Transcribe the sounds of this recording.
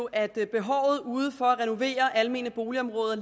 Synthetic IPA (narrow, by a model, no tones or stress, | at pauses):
ʔæd̥b̥e̝ɦɒ̰ʊð̩ˠuːð̞̩ˠfɒ̽æʁɛno̝ʋe̝̰ːɐʔælme̝̰ːnəb̥o̝ːliɒ̽mʁɔ̽ːð̞ˠɐ